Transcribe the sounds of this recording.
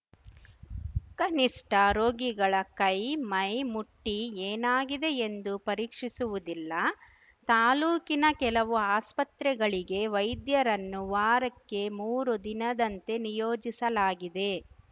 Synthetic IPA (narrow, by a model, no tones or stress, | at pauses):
kɐniʂʈɐɾoːɡiɡɐɭɐkɐjmɐjmuʈːieːnaːɡid̪e̞end̪upɐɾiːkʂisuʋud̪ilːɐ | t̪aːluːkinɐkɛlɐʋuaːspɐt̪ɾɛɡɐɭiɡe̞ʋɐjd̪jɐɾɐnːuʋaːɾɐkːe̞muːɾud̪inɐd̪ɐnt̪e̞nijoːd͡ʒisɐlaːɡid̪e̞